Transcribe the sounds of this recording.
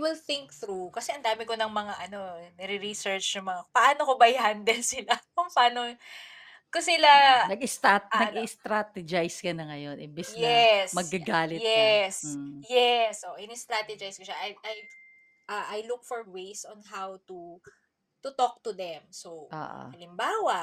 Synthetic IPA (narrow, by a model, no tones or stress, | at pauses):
wɪlθɪŋk̚θɾukɐsɛʔɐnd̪aːmɪkonɐŋmɐŋaʔɐno̞nɛɾɪɾisɛɹt͡ʃnɐŋmɐŋapɐʔaːnokobɐjhand̪ɛnsɪlakʊŋpɐaːno | kʊsɪlanɐɡɪst̪anɐɡist̪ɾat̪ɛd͡ʒajskɐnɐŋɐjo̞nʔɪ̰mbɪsjɛsmɐɡɐɡaːlɪjɛsjɛsʔoʔʔɪnɛst̪ɾat̪ɛd͡ʒɐjskoʃaʔɐjʔɐj | ʔɐʔajlʊk̚fɔɹwejsʔɔnɦawt̪u | t̪ut̪ok̚t̪uðɛmsoʔo̰ːʔo̰ɐlɪmbaːwɐʔ